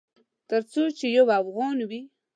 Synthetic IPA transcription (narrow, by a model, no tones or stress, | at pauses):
t̪əɾt͡sot͡ʃejawafɣɑnwi